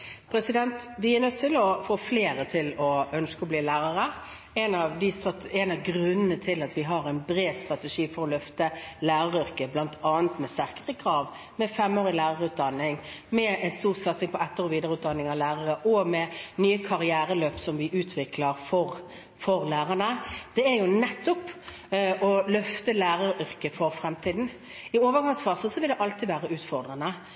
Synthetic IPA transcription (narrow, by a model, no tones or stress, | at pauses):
pʰɾɛsɪd̪ɛnt̪ʋɪæɾnœt̪ʰːɪlɔfoːfleːɾət̪ʰɪlɔœnskəɔbliːlæːɾəʁə | ɛnɑʋd̪ɪst̪ʁɑt̪ɛnɑʋɡɾʉnːənət̪ʰɪlɑt̪ʋɪɦɑɾæɪnbɾeːd̪st̪ɾɑt̪ɛʂiːfɔɾɔlœft̪əlæːɾəʁʏʁkəblɑnt̪ʰɑːənt̪mɛst̪æʁkəʁəkʰɾɑːʋ | mɛfɛmoːʁɪlæːʁəʁʉːt̪̚d̪ɑnːɪŋmɛnst̪uːʁsɑt̪sɪŋpʰɔɛt̪ːəʁɔʋiːd̪əɾəʉːt̪d̪ɑnːɪŋɑʋlæːʁəʁəʔɔmɛnyːəkʰɑɾɪæːɾəløːpsɔmʋɪʔʉːt̪ʰʋɪkʰləɾfɔʁ | fɔɾlæːʁənəd̪̥ɛæɾjʊnɛt̪ːɔp | ʔɔlœft̪əlæːɾəɾʔʏɾkəfɔɾfɾɛmt̪ʰiːd̪n̩ | ɪoːʋəʁɡɑŋsfɑʁsəsɔʋɪld̪ɛʔɑlt̪ʰid̪ʋæːʁəʉːt̪fɔʁd̪ʁənə